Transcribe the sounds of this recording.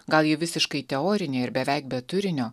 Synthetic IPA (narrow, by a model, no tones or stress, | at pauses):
ɡɐlˠjiɛʋʲɪsʲɪʃkɐɪt̪ʲɛoːɾʲɪnʲeːɪɾbʲɛʋʲæɪk̚bʲɛt̪ʊɾʲɪnʲoː